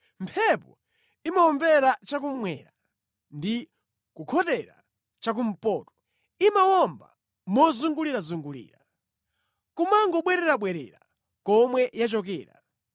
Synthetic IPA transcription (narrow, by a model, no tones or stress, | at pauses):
mpʰɛpɔ | imawɔmbɛɾat͡ʃak̬ummwɛ̰ɾa | ndi | kukʰɔtɛɾa̰ | t͡ʃak̬um̩pɔːtɔ̥ | imawɔmba̰ | mɔzuŋɡuliɾazuŋɡulḭːɾa | kumaŋɡɔɓwɛɾɛɾaɓwɛɾɛ̰ɾa | kɔmwɛjat͡ʃɔkɛ̰ːɾa̰